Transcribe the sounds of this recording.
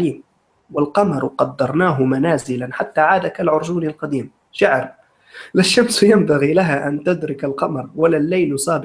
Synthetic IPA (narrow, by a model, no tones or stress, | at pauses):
liːm | walqɑmɑɾˤqɑd̪ːɑɾˤnaːɦʊmanaːzɪlanħat̪ːaːʕaːd̪akalʕʊɾˤd͡ʒuːnalqɑd̪iːm | ʃaʕɾ | lɪʃːamsjambaɣiːlaɦaːʔant̪ʊd̪ɾɪkalqɑmɑɾˤwalːaːlːajlsˤɑːb